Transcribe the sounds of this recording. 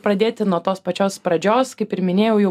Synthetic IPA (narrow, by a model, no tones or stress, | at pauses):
pɾɐd̪ʲeːt̪ʲɪnuɔt̪oːspɐt͡ʃʲoːspɾɐd͡ʒʲoːskɐɪpɪɾmʲɪnʲeːjɛʊjɛ